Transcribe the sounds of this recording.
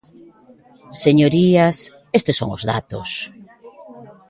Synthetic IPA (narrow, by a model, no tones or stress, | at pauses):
seɲoɾiɐs | est̪esːo̰ŋʊ̰zða̰t̪ʊ̰s